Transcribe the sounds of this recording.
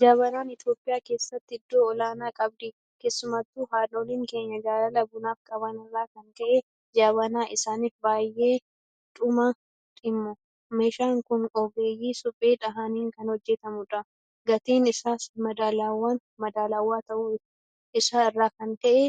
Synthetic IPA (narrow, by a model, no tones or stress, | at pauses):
d͡ʒaːβɐnaːnɪt̪jo̞ːpʼɪjaːke̞ːsːɐt̪ːɪɪd̪ːoːɔlaːnaːkʼɐb̚d̪i | ke̞ːsːʊmɐt̪ːuːɦaːloːliːŋke̞ːɲːɐd͡ʒaːlɐlɐbʊnaːfkʼɐbɐnɪrːaːkɐnt̪ɐʔe | d͡ʒaːβɐnaːʔɪsaːniːfbaːjʔe̞ː | ᶑ̪ʼʊmɐ | ᶑ̪ʼɪmːʊ | meːʃaːŋkʊnɔɡeːjːiːsʊpʼːeːᶑɐɦaniːŋkɐnhɔd͡ʒːɛt̪ɐmʊᶑɐ | ɡɐt̪iːnɪsaːsmɐd̪aːlaːwːaːn | mɐd̪aːlaːwːaːt̪ɐʔuːɪ | ɪsaːɪrːaːkɐnt̪ɐʔɛ